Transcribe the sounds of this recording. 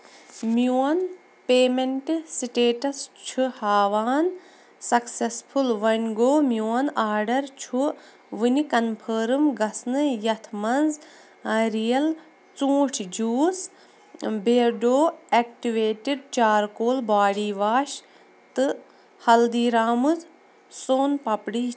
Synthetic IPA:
mjuːɐn | peːmeɳʈsiʈeːʈɐst͡ʃʰuhaːʋaːn | sɐksespʰulʋɐnʲɡoːmjoːɐnaːɾɖɐɾt͡ʃʰu | ʋɨnikɐnpʰəːɾɨmɡɐsnɨjɐt̪ʰmɐnz | ɐɾijɐl | t͡sũːʈʰd͡ʒuːs | beːɾɖoːek̚ʈiʋeːʈiɖ̚t͡ʃaːɾkoːlbaːɽiːʋaːʃ | t̪ɨ | hɐld̪iːɾaːmuz | soːnpɐpɽiː

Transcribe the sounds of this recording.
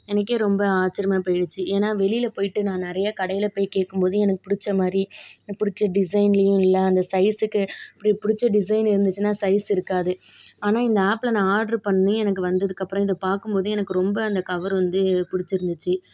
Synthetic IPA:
ɛnɐk̬ːeːɾɔmbɐaːt͡ʃɪɾɐmaːpoːjɽɯt͡ʃːɯʔeːnaːʋɛɭɪjɪlɐpoːjɪʈːɯnãːnɪɾɐjakɐɽɐjɪlɐpoːjkeːʈ̚kːɯmpoːðɯ̃ɛnɐkːɯ̥pʊɽɪt͡ʃːɐmaːd̪ɾipʊɽɪt͡ʃːɐɖɪs̬ɐɪnlɐjʊ̃ɪlːɐɐnd̪ɐsɐɪsɯkːɯɐpːɐɽipʊɽɪt͡ʃːɐɖɪs̬ɐɪnɪɾɯnd̪ɯt͡ʃːɯnːaːsɐɪsɪɾɯkːaːðɯaːnaːɪnd̪ɐaːplɐnãːaːɾɖɐɾpɐɳːɯnɯɛnɐk̬ːɯʋɐnd̪ɐðɯkːɐpːɾɔ̃ɪðɐpaːɾkɯmpoːðɯ̃ɛnɐkːɯɾɔmbɐɐnd̪ɐkːɐʋɐɾʋɐnd̪ɯpʊɽɪt͡ʃːɪɾɯnd̪ɯt͡ʃːɯ

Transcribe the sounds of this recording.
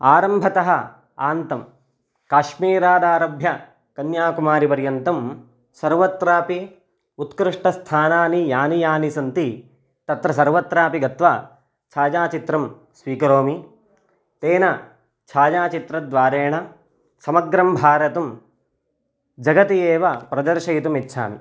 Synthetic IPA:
aːɾɐmbʱɐt̪ɐɦɐ | aːnt̪ɐm | kaːʃmiːɾaːd̪aːɾɐbʱjɐ | kɐnjaːkumaːɾipɐɾjɐnt̪ɐm | sɐɾʋɐt̪ɾaːpi | ut̪kɾɪʂʈɐst̪ʰaːnaːnijaːnijaːnisɐnt̪i | t̪ɐt̪ɾɐsɐɾʋɐt̪ɾaːpiɡɐt̪ʋaː | t͡ʃʰaːd͡ʒaːt͡ʃit̪ɾɐm | sʋiːkɐɾoːmi | t̪eːnɐ | t͡ʃʰaːd͡ʒaːt͡ʃit̪ɾɐd̪ʋaːɾeːɳɐ | sɐmɐɡɾɐmbʱaːɾɐt̪ɐm | d͡ʒɐɡɐt̪ijeːʋɐpɾɐd̪ɐɾʃɐjit̪umitːʃʰa̰ːmḭ

